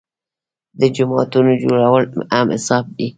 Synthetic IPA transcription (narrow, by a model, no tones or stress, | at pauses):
d̪əd͡ʒʊmɑːt̪unod͡ʒo̰ɽawəlamɪ̰sɑːb̚di